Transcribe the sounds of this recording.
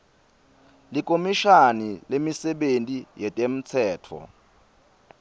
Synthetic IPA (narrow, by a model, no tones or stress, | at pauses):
lik̬ʼomiʃanilemisɛɓentʼijɛtʼem̩t͡sʰɛːtʰɔ̰